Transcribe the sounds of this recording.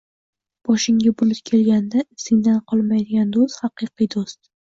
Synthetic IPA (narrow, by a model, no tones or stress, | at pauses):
b̥ɒʃɪŋɡʲabʊlɪpkʲʰe̞lɡʲand̪aɪfsɪŋd̪anqʰɒlˠmajd̪ɪɡʲand̪ost̪hɑqɨqijd̪ost̪̚